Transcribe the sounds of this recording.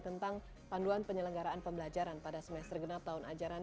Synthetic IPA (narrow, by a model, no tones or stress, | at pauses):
t̪ənt̪aŋ | panduanpəɲələŋɡaɾaanpəmbəlad͡ʒaɾanpadasəmɛst̪ərɡənap̚t̪aunad͡ʒaɾan